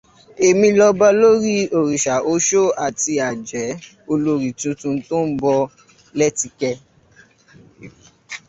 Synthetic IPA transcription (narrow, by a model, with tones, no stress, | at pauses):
e˨mĩ˧lɔ˧ba˧lo˦ɾi˦o˨ɾi˨ʃa˨ʔo˦ʃo˦a˨ti˧a˨d͡ʒɛ˨˦ | o˧lo˧ɾi˨tũ˧tũ˧to˦n̩˦bɔ˧ | lɛ˦ti˧kɛ˧